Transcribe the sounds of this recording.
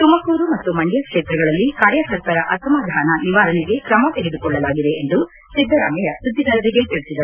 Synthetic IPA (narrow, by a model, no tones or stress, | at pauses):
t̪umɐkuːɾumɐt̪ːumɐɳɖjɐkʂeːt̪ɾɐɡɐɭɐlːikaːɾjɐsɐɾkɐɾɐʔɐsɐmaːd̪ʱaːnɐniʋaːɾɐniɡe̞kɾɐmɐt̪eɡed̪ukɔɭːɐlaːɡid̪e̞ːnd̪u | sid̪ʱːɐɾaːmɐjɐsud̪ːid̪ɐɾɐɾiɡe̞t̪iɭisid̪ɐɾu